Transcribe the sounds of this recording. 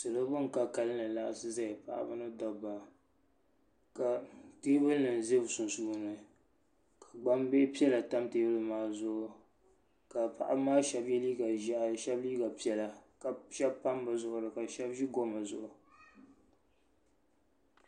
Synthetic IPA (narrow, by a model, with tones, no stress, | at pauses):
sɨ˨lɨ˦bɨ˦ŋ̩˨ka˦ka˦lɨ˦nɨ˨la˦ʔa˨sɨ˦za˦ɪ˨pa̰˨ʔa̰˦˨bɨ˦nɨ˦dɔ˦ba˨ | ka˨teː˦bɨ˦lnɨ˨n˨ze˦bsʊ˨nsuː˦nɨ˨ | kʰa˨ɡ͡ba˦mbe˦pi˦ɛ˦la˨ta˦mtɨ˦bɨ˦lɨ˦maː˨˦zʊ˦˨ʔʊ˨ | ka˨pa̰˨ʔa˦maː˦ʃɛ˦bjɛ˦li˦ɡa˨ʒʃɛ˦bliː˦ɡa˨pi˦ɛ˦la˨ka˨ʃɛ˦bpa˦mbɨ˦zʊ˦ʔʊ˨dɨ˨ka˨ʃɛ˦bʒi˦ɡo˦ma˨zʊ˨ʔʊ˨